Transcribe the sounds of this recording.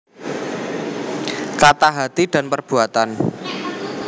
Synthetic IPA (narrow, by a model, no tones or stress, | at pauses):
kat̪aɦat̪id̥a̤npərb̥uat̪an